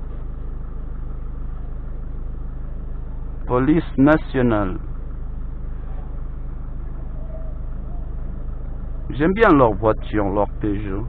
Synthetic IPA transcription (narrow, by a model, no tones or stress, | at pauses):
polisnasjonal | ʒem̩bjan̩lɔk̚bwɔt̚tjoŋlɔk̚teʒo